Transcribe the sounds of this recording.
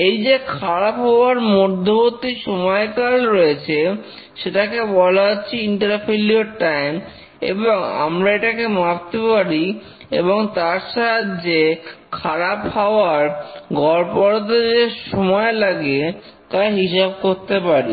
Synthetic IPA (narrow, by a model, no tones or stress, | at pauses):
ejd͡ʑekʰaɾapɦaoaɾmoɾd̪ʱːobot̪ːiʃomɔekaɾɾɔet͡ɕʰe | ʃeʈakebɔlaotːɕʰiiɳʈaɾpʰilioʈajm | ḛboŋa̰mɾaeʈakemab̚t̪epaɾi | ḛboŋt̪aɾʃat̪d͡ʑekʰaɾaphaoaɾɡɔɾpɔɾot̪̬ed͡ʑeʃɔmɔelaɡe | kajɦiʃab̚koɾt̪epaɾi